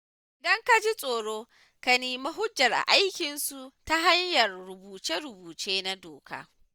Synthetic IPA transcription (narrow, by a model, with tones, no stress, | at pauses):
ʔʔɪ˨dɐ˦ŋka˦d͡ʒi˦sʼoː˨ɽoː˦ | ka˨niː˨ma˦ɦʊ˦d͡ʒːɐ˨rʔa̰˨ʔa˦jkʲɪ˨nsu˨ʔta˦ɦa˦ɲjɐ˨rɽʊ˨buː˨t͡ʃe˦ɾʊ˨buː˨t͡ʃeː˦na˦doː˨ka̰ː˦